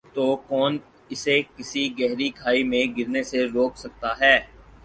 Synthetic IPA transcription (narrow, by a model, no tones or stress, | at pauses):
t̪okɔːn | ɪsekɪsiɡɛɦɾikʰaːimẽɡɪɾneseɾoːksɐk̚t̪aɦɛː